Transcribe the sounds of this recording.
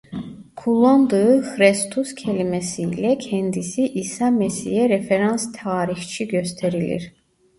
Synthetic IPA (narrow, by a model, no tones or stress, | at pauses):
kʰulˠond̪ɯɯxɾest̪ʰuscʰɛlimɛsiːlɛcʰɛnd̪isiʔisɑmɛsḭjɛɾefeɾɑnst̪ʰaːɾixt͡ʃʰiɟøst̪ʰɛɾilḭɾ